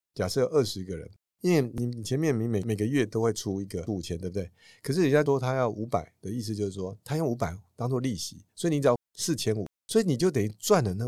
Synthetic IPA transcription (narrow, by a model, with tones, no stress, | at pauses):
t͡ɕja˨˩ʂɤ˥˧jʔə˥˩ʂɻ̩˧i˧˥ɡə˨ɻə̰˧˦n | i˥nwe˥˩ni˨˩˨t͡ɕʰjɛ˧˦nmjɛ˥˩nmi˧˥ŋme˨˩ɪme˨˩ɪɡə˧˦ɥɛ˥˨t̪o˥ʊxwe˥˩ɪʈ͡ʂʰu˥i˧˥ɡə˨u˨˩t͡ɕʰjɛ˥˦nwb̚t̪e˥˩ɪ | kʰɤ˨˩ʂ̬ɻ̩˥˩ni˨˩t͡ɕa˥˧ʂwɔ˥t̪ʰa˥jɑ˥˩ʊʔu˧˥pa̰˨˩˦ɪd̪̥ə˦i˥˩s̬ɹ̩˧t͡ɕjo˥˧ʊʂɻ̩˥˩ʂwɔ˥t̪ʰa˥jŋu˧˥pa˨˩ɪt̪ɑ˥ŋt͡swɔ˥˧li˥˩ɕḭ˧˥˦swɔ˧˥i˨ni˧˥ʈ͡ʂsɹ̩˥˩t͡ɕʰjɛ˥nṵ˨˩swɔ˧˥i˧˦ni˨˩t͡ɕjo˥˩ʊt̪e˨˩˥t͡swa˥˩nlə˩na˥˩